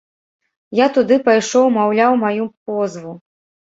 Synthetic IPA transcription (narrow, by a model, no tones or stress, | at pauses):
jat̪ud̪ɨpajʂɔwmawlʲawmajupɔzvu